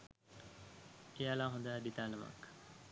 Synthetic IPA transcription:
ijaːlaːɦõnd̪aːd̪it̪aːlɐmɐ̰k

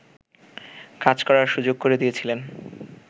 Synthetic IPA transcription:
kad͡ʑkɔɾaɾʃud͡ʑoɡ̚koɾed̪ijet͡ɕʰilen

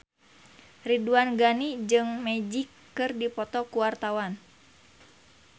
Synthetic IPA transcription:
riduanɡanid͡ʒɨŋmɛd͡ʒikːɨrdipɔt̪ɔkuwart̪awan

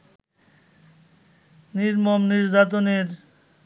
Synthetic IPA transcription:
niɾmɔmniɾzat̪̬oniɾ

